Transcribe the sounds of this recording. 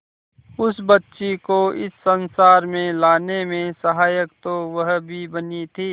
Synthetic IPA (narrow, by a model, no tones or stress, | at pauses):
ʊsbɐtːʃekoɪsːɐ̃nsaːɾmẽlaːnemẽsɐɦaːjəkt̪oʋɐɦbʱibɐnit̪ʰiː